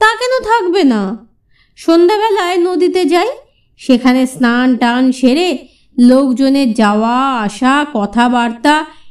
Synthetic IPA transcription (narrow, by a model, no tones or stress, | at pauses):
t̪akɛnot̪ʰakbena | ʃond̪aβɛlaenod̪it̪ed͡ʑaj | ʃekʰanesnanʈanʃeɾe | lokd͡ʑoneɾd͡ʑaoaaʃakɔt̪ʰabaɾt̪a